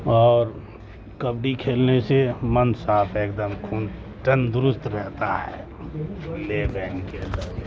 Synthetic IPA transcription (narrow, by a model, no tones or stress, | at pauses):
ɔːɾ | kəbɽikʰeːlnesemənsaːpʰeːkd̪əmkʰuːn | ʈənd̪ʊɾʊst̪ɾɛɦt̪aɦɛ̰ː | lebɛːnkeə̃nd̪əɾ